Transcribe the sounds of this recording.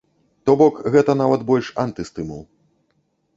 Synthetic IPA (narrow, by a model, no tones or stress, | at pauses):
t̪ɔbɔkɣɛt̪ɐnavɐt̪bɔlʲʂant̪ɨst̪ɨmṵlˠ